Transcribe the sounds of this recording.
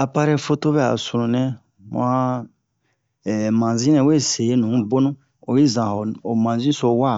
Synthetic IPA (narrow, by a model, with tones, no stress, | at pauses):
a˨pa˦˧ɾɛ˦fo˧to˦bɛ˦˨a̰˨su˨ɾũ˨nɛ̃˦ | mã˦˨ | mã˨zĩ˦nɛ̃˨˦we˦˨se˨e˦nũ˨˦bo˦nũ˦ | o˨ji˦zã˨ho˨o˨mã˨zĩ˦so˨wa˦˨